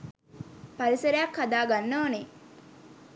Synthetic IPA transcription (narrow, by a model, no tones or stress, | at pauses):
pɐɾiseɾejɐkʰːad̪aːɡanːoːne